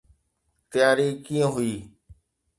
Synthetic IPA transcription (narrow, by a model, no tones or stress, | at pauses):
t̪əjaːɾiːkiːə̃ːɦʊiː